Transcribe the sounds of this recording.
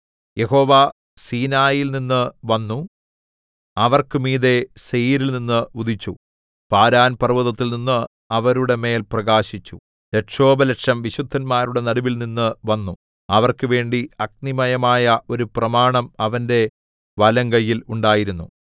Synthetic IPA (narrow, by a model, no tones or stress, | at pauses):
je̞ɦo̞ːʋaː | siːnaːjilninːɨʋɐnːu | ɐʋɐrkɨmiːðe̞sejiːɾilninːɨuðit͡ɕːu | paːɾaːnpɐrʋɐðɐt̪ːilninːɨ | ɐʋɐɾuɽe̞me̞ːlprɐɣaːɕit͡ɕːu | leʈʂo̞ːbɐleʈʂɐmʋiɕud̪ʱːɐnmaːɾuɽe̞nɐɽuʋilninːɨʋɐnːu | ɐʋɐrkɨʋe̞ːɳɖiɐk̚nimɐjɐmaːjɐʔo̞ɾuprɐmaːɳɐmɐʋɐnde̞ | ʋɐlɐŋɡɐjːiluɳɖaːjiɾunːu